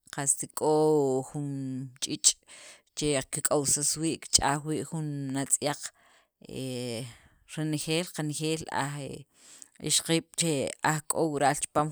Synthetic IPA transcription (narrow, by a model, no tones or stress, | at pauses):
qast̪ikʼoxunt͡ʃʼit͡ʃʼ | t͡ʃekikʼawsaswiːʔki̥t͡ʃʼaːxwiːʔxunːat͡sʼjaq͡χ | e | ɾenxeːlqanxeːla̰χe | ḭʃqiːɓ̥t͡ʃeaχkʼowɾaʔlt͡ʃi̥paːm